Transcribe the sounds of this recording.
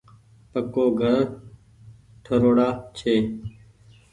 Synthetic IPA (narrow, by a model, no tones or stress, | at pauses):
pəkoːɡʱəɾ | ʈʰəɾoːɽaːt͡ʃʰeː